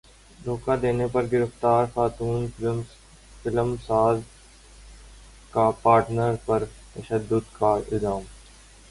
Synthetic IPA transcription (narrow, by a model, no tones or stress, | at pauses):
noːkad̪eːnepɐɾɡɪɾəft̪aːɾxaːt̪uːn | fɪləmsaːz | kapaːɾʈnəɾpɐɾt̪ɐʃəd̪ːʊd̪kaɪ̰zaːm